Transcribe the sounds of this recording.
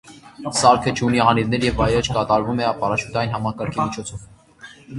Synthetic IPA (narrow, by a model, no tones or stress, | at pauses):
sɑɾkʰət͡ʃʰuniɑniɾnɛɾjɛvɑjɾɛt͡ʃʰkɑt̪ɑɾvumɛɑpɑɾɑt͡ʃʰut̪ʰɑjinɦɑmɑkɑɾkʰimit͡ʃʰɔt͡sʰɔv